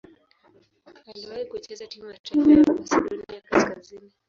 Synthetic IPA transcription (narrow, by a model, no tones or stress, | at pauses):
aliwaikuɛt͡ʃɛzatimujataanijakaskazini